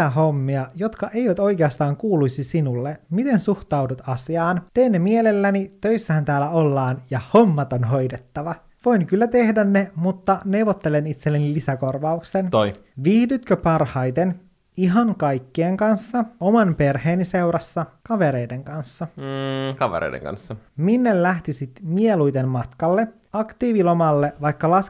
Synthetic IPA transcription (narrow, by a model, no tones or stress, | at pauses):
æɦo̞mːiɑjo̞t̪kɑʔe̞iʋæt̪o̞jk̟eɑst̪ɑːŋkuːlujsisinulːemit̪e̞nsuht̪ɑudut̪ɑsiɑːnt̪eːnːemiele̞lːænit̪ø̞isːæhænt̪æːlːæo̞lːɑːnjɑho̞mːɑt̪onɦo̞jde̞t̪ːɑʋɑ | ʋo̞inkylːæt̪e̞hdænːemut̪ːɑne̞uʋot̪ːelenit̪selːenilisæko̞rʋɑuksent̪oj | ʋihdyt̪køpɑrhɑjt̪en | iɦɑŋkɑjkːieŋkɑnsːɑo̞mɑnpe̞rheːnise̞wɾɑsːɑkɑʋe̞ɾe̞jde̞ŋkɑnsːɑkɑʋḛɾḛidḛŋkɑ̰nsːɑminːellæht̪isit̪mielujt̪e̞nmɑt̪kɑlːe̞ | ɑkt̪iːʋilo̞mɑlːe̞ʋɑjkːɑlɑs